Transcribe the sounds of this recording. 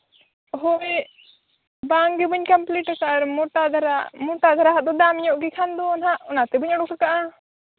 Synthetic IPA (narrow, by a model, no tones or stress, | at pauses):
ɦɔe | baŋɡɛbəɲkampliʈakaʔaɾmɔʈad̪ʱaɾamuʈad̪ʱaɾaɦaʔd̪ɔd̪amɲɔʔɡikʰand̪ɔɔnɦaʔɔnat̪ɛbɯɲɔɽɔkakaʔa